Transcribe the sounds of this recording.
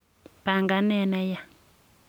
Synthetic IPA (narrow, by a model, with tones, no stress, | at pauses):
pa˨ŋɡa˨nɛ˦˨nɛ˦ja˦˨